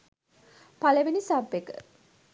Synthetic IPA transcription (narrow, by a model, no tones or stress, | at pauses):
paləʋinisabːekə̰